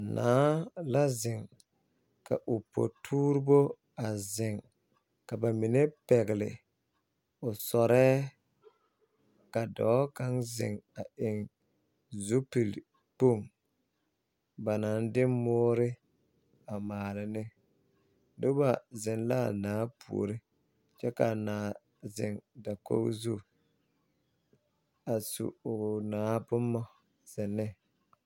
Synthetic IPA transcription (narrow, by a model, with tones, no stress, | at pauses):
naː˨˦la˦zɪ˨ŋ | ka̰˨ʔʊ˨po̰˨tʰuː˦ɾɪ˦bo˦ | a˨zɪ˨ŋ | ka˨ba˨mi˨ne˦pɛ˨ɣɪ˨lɪ̰˨ | ʊ˨sɔ˨ɾɛː˦ | ka˨dɔ̰ː˨˦ka˦ŋzɪ̰˨ŋa˨ɪ˨ŋ | zu˦pi˨l | po˦˨ŋ | ba˨na˨˦n˦dɪ˦mʊː˦ɾɪ˦ | a˨maː˨lɪ˨nɪ˦ | dʊ˦ba˨zɪ˨nla˦˨naː˨˦pʰṵ˨o̰˨ɾɪ˦ | t͡ʃɛ˦ka˨naː˨ | zɪ˨ŋda˨ko̰˦zu˦ | a˨sṵ˨ʊ˨naː˨˦bʊ˦mːɔ˦ | z̥ɪ˨nːɪ˦